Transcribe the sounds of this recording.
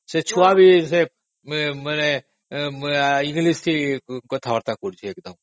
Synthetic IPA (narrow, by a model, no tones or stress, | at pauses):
set͡ʃʰuabʱise | məne | ĩŋɡlist̪ʰikɔt̪ʰaʋəɾt̪akuɾd͡ʒʰieːkd̪əm